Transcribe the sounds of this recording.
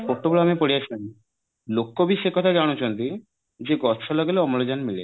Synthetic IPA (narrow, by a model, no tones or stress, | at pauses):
pok̚ʈːobuloamepoɽiat͡ɕʰan | lokːobiʃekɔt̪ʰaɡañot͡ɕont̪i | d͡ʑeɡɔʃʰɔlɔɡeleɔmolod͡ʑanmile